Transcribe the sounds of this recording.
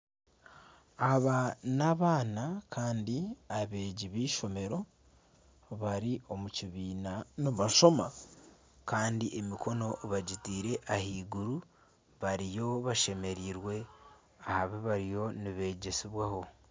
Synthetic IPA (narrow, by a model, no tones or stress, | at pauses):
aβanaβaːnakʰaːndiaβe̞ːɟiβiːʃo̞me̞ɾo̞ | βaɾio̞muciβiːnanuβaʃo̞ma | kaːndiʔemiko̞no̞βaɟitiːɾe̞ʔahiːɡuɾu | βaɾijo̞βaʃe̞me̞ɾiːɾwe̞ | ahaβiβaɾijo̞niβe̞ɟe̞siβwaho̞